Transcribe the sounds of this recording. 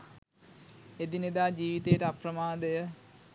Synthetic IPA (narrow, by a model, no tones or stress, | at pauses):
ed̪ined̪aːd͡ʒiːʋit̪ejəʈəaprəmaːd̪əjə